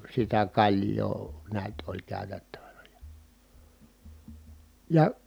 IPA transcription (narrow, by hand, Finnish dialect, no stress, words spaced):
sitæ kɑlʲjˑoː neæt olʲ kæˑy̞tætːæʋænæ jɑ̥ jɑ